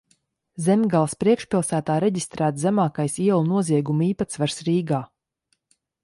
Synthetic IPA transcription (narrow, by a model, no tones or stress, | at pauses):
zɛmʲɡalˠspɾiɛkʃpʲilˠsæːt̪aːɾɛɟist̪ɾæːt̪zæmaːkajsiɛlˠunuɔziɛɡumiːpat̪svaɾsɾiːɡaː